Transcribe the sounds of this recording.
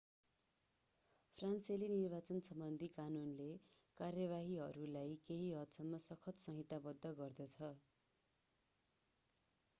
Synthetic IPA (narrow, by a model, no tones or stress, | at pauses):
pʰranselinirbat͡sʌnsʌmbʌnd̪ʱikanunle | karjʌβaɦiɦʌɾulajkeɦiɦʌt̪sʰʌmːʌsʌkʰʌt̪sʌɦit̪abʌd̪ʱːʌɡʌrd̪ʌt͡sʰʌ